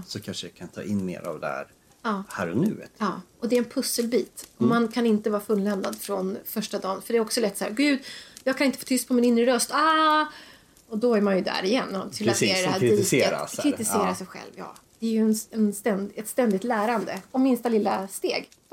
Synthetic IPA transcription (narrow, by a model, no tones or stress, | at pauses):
sɔkʰanʂəakʰant̪ʰɑ̰ːʔɪnːmḛːɾa̰vd̪ɛhæ̰ɾ | ɑːhæːɾɔnʉ̟̰ːɑː | ɔd̪ɛɾɛnpʰɵsːəlbiːt̪ɔmankʰanɪnt̪əvɑːɾfɵnlɛnd̪ad̪fɾɔnfœʂʈad̪ɑːnfœɖɛːɾɔksɔlɛt̪ːsahæːɾɡʉ̟ːd̪jɑːɡkʰanɪnt̪əfoːt̪ʰʏst̪̚pʰɔmɪnɪnɾəɾœst̪ɑ | ɔd̪ɔæɾmanjɵd̪æ̰ɾɪjɛnːɔt̪ʰɪleːdɛæːɾɪɪsːəɾa̰ɾɪt̪ɪseːɾasɛjɧɛ̰lvjɑ̰ːd̪̥ɛæɾjɵɛnɛnst̪ɛnd̪ɛt̪st̪ɛnd̪ɪt̪læːɾand̪əɔmɪnst̪alɪlːast̪eːɡ